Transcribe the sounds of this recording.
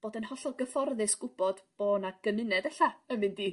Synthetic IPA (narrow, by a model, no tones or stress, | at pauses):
b̥oːdənhɔɬɔɡəfɔrðɨsɡ̥ʊb̥ɔd̥b̥oːnaɡ̥əmɪnɛdɛɬaəmɨndiː